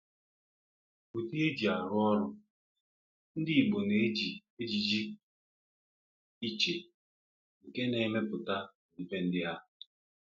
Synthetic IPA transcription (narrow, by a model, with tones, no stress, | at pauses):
ku˨ti˦e˦d͡ʒi˨a˨ɾʊ˦ɔ˦ɾʊ˦ | n̩˦dɪ˦˨ɡ͡bo˨ne˨˦d͡ʒi˨e˦d͡ʒi˨d͡ʒi˦ | i˦t͡ʃe˨ | ŋ̩˨ke˦ne˨˦me˦pʊ˨ta˦˨ | m̩˨pe˦n̩˦dɪ˦a˦˨